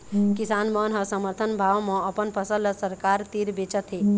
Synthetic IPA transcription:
kɪsaːnmənɦəsəməɾt̪ʰənbʱaːʋmẽəpənpʰəsələsəɾkaːɾt̪iɾbet͡ʃət̪ɦeː

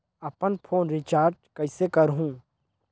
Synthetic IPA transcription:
ɐpənpʰoːnɾɪt͡ʃaːɾɖ̚kɐɪsekəɾɦũː

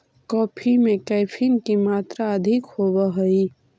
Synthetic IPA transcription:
kɔːpʰimẽkɛɪpʰinkimaːt̪ɾaəd̪ʱɪkhoːwəɦəi

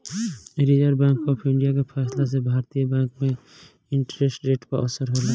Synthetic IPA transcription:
ɾid͡ʒəɾbɛ̃ːŋkɔːpʰɪ̃ɳɖijakepʰɛːslas̬ebʱaːɾt̪ijəbɛ̃ːŋkmẽ | ɪ̃ɳʈɾeːsʈɾeːʈpaɔsəɾɦola

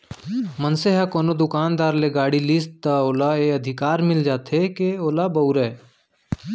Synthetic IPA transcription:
mənseɦakoːnod̪ʊkaːnd̪aːɾleɡaːɽilist̪aoːlaeəd̪ʱɪkaːɾmɪld͡ʒaːt̪ɦekeoːlabɐʊɾɛː

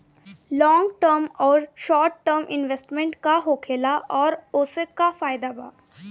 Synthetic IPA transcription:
lɔ̃ːŋɡʈəɾmɔːɾʃɔːɾʈːəɾmʔɪnʋesʈmɛ̃ɳʈkaɦoːkʰeːlaʔɔːɾʊːsekafaːɪd̪aba̰ː

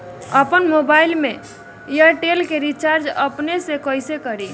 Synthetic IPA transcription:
əpənmobailme | jəʈelkeɾit͡ʃaɾd͡ʒəpnesekəjsekəɾi

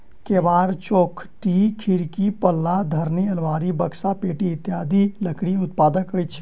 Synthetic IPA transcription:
kebaɾt͡ʃokʰʈikʰiɾkipəlːad̪ʱəɾniəlʋaɾibəksapeʈiːt̪jad̪iləkɽiut̪̚pad̪əkəjt͡ʃʰ

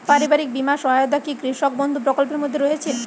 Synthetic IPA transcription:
paɾibaɾik̚bimaʃɔɦajod̪akikɾiʃok̚bond̪ʱupɾokolpeɾmod̪ʱːeɾoɦet͡ɕʰe

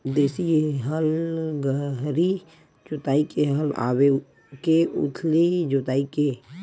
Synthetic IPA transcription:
d̪eːsiɦəlɡəɦɾi | d͡ʒot̪aːikeɦəla̰ːwe | keṵt̪ʰlid͡ʒot̪aːike

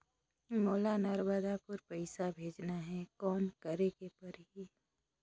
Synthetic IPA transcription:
moːlanəɾbəd̪apʊɾpəɪsabʱeːd͡ʒnaɦɛkɔːnkəɾekepɐɾɦi

